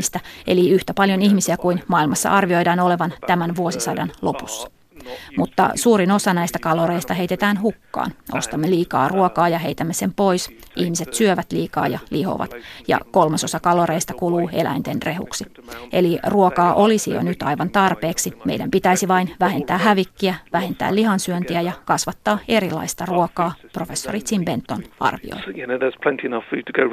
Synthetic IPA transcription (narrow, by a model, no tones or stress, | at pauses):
ist̪æe̞̰liyht̪æpɑljo̞nihmisiækujnmɑːilmɑsːɑ̰ʔɑrʋio̞jdɑːno̞leʋɑnt̪æmænʋuosisɑdɑnlo̞pusːɑ̥ | mut̪ːɑ̰suːɾino̞sɑnæjst̪ækɑloɾeist̪ɑɦe̞ijt̪et̪æːnɦukːɑ̰ːno̞̰st̪ɑmːeliːkɑ̰ːruokɑːjɑɦe̞jt̪æmːesempo̞jsihmise̞t̪syøʋæt̪liːkɑ̰ːjɑ̰liho̰ʋɑ̰t̪jɑ̰ko̞lmɑso̞sɑkɑloɾeist̪ɑkuluːḛlæ̰int̪enre̞hṵksi | eliruokɑːʔo̞lisijo̰nyt̪ɑjʋɑnt̪ɑrpeːksimḛidæmpit̪æisiʋɑinʋæhe̞nt̪æːɦæʋikːiæʋæhe̞nt̪æ̰ːlihɑnsyønt̪iæjɑkɑsʋɑt̪ːɑːe̞ɾilɑ̰ist̪ɑruokɑːpro̞fe̞sːorit̪simbent̪ːonɑ̰rʋḭo̰jjænəðəz̥pʰl̥ɛ̃ntʰiɪnʌfʉ̰ːd̚tʰəɡ̥oʊ